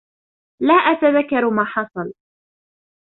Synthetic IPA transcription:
laːʔat̪aðakːɑɾˤmaːħɑsˤɑl

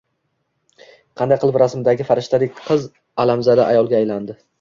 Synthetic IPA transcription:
qʰɑnd̪ajqʰɨlˠpɾasmɪd̪aɡʲɪfaɾɪʃt̪ad̪ɪkʲqʰɨz | alamzad̪aʔajɒlˠɡʲaːjland̪ɪ

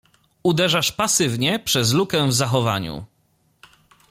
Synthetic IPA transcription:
ud̪ɛʐaʂpasɘvɲɛpʂɛzlukɛvzaxɔva̰ɲṵ

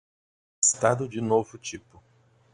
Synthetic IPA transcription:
ɪst̪ad̪ʊd͡ʒɪnovʊt͡ʃipʊ

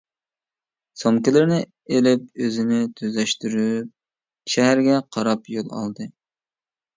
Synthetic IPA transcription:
somkʲɪlɪɾnɪ | elɪp̚øzɪnɪt̪ʰøzlɛʃt̪yɾyp̚ | ʃɛɦæɾɡʲɛqʰɑɾɑpjolˠɑ̰lˠd̪ɨ

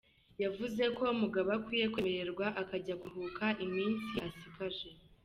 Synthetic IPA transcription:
javuze̞ko̞muɡaβakwiːjekwe̞meɾe̞ɾɡwaʔakaɟaɡuɦukaʔimiːnsiasikaʒe̞

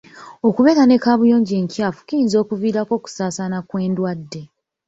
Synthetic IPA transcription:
o̞kuβe̞ːɾane̞kaːβujo̞ːɲɟeːŋcjaːfu̥kijiːnzo̞ːkuviːɾako̞ːku̥saːsaːnakwe̞ːndwadːe̞

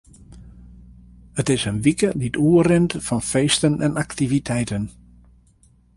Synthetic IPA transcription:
ətɪsənʋikədituːərɪntfɑnfeːstənɛnaktivitʰɛjtən

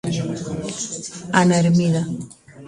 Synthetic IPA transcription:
anaeɾmiða

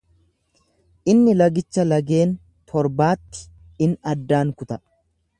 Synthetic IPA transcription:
ʔɪnːɪlɐɡɪt͡ʃːɐlɐɡe̞ːn | t̪ʰɔɾbaːt̪ːɪ̥ | ɪnɐd̪ːaːŋkʊt̪ɐ

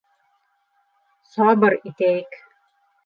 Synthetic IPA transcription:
sɑbɤɾit̪æjɘk

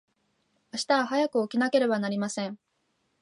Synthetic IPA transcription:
aɕi̥t̪aaɦajakɯ̟okʲinake̞ɾe̞banaɾʲimasẽ̞ɴ

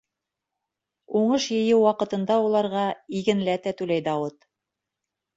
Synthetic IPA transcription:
uɴɤʃjɘ̆jɘwːɑqɤ̆t̪ɤ̆nd̪ɑulˠɑɾʁɑiɡɘ̆nlæt̪æt̪ʉlæjd̪ɑwɤt̪

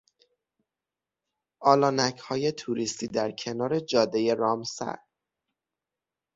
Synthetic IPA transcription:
ʔɒːlɒːnæcʰhɒːje̞t̪ʰuɾist̪iːd̪æɾcʰe̞nɒːɾe̞d͡ʒɒːd̪ejeɾɒːmsæ̰ɾ

